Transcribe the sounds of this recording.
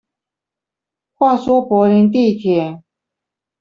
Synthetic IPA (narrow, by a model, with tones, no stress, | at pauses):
xwa˥˩swɔ˥pwɔ˧˥li˧˥ŋt̪̬i˥˧t̪ʰjɛ˨˩˦